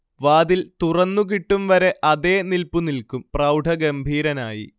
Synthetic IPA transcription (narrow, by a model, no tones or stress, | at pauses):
ʋaːðilt̪urɐnːuk̬iʈːumʋɐɾe̞ʔɐðe̞ːnilpunilkumprɐwɖʱɐɡɐmbʱiːɾɐnaːjḭ